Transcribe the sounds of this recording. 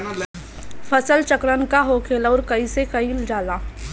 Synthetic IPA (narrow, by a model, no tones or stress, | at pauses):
fʰɐsəlt͡ʃəkɾənkaɦoːkʰeːlɔːɾkɐisekɐiːld͡ʒaːlaː